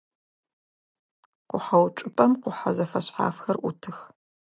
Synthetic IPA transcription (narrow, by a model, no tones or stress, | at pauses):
qʷʊħɐwt͡ʃʼɪpʼɐmqʷʊħa̰zɐfɐɕħa̰ːfxɐrʔʊtʰɨx